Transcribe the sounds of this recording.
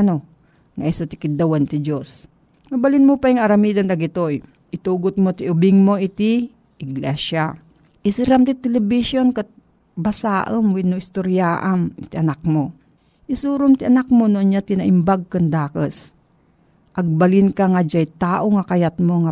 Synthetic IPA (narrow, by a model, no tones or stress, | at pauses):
no | ŋaʔisot̪ɪkɪd̪awant̪ɪd͡ʒos | mɐbalinmopajɪŋɐɾɐmiːd̪and̪ɐɡɪt̪oj | ʔɪt̪uːɡʊt̪̚mot̪iʊbɪŋmoʔɪt̪i | ʔɪɡlɛsa | ʔɪsɪɾamt̪ɪt̪ɛlɛbiʃjonka | basaːʔəmwinːoʔɪst̪oɾjaːʔant̪ɪʔɐnak̚mo | ʔɪsuːɾomt̪ɪʔɐnak̚monoɐnɲat̪ɪnaʔɪmbaɡ̚kɐnd̪aːkəs | ʔɐɡ̚bɐlɪnkaŋad͡ʒajt̪aːʔoŋakɐjat̪̚moŋa